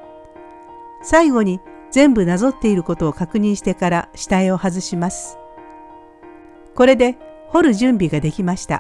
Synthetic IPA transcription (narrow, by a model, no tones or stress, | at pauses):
saiɡo̞ɲ̟i | d͡zẽ̞mbɯ̟nazo̞t̪ːe̞iɾɯ̟ko̞t̪o̞ːkakɯ̟ɲ̟ĩɰ̃ɕi̥t̪e̞kaɾaɕi̥t̪aeo̞hazɨɕimasɨ̥ | ko̞ɾe̞d̪e̞ | ho̞ɾɯ̟ʑɨ̃mbʲiɡad̪e̞kʲimaɕi̥t̪a̰